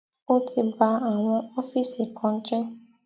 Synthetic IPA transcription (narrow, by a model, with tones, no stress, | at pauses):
o˦ti˨ba˨˦a˨ŋʷɔ˦ɔ˦fi˦si˨kʰɔ˨ŋ̩˦ke˦